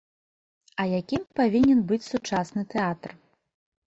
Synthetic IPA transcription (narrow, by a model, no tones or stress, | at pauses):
ɐjakʲimpavʲinʲɛnbɨt͡sʲsut͡ʂasnɨt̪ɛat̪r